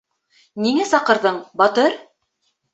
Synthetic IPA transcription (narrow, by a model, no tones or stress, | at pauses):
niŋæsɑqɤ̆ɾðɤɴbɒt̪ɤɾ